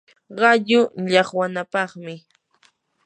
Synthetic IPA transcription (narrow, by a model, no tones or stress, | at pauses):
ɢɑʎʊʎɑχwanapɑχmɪ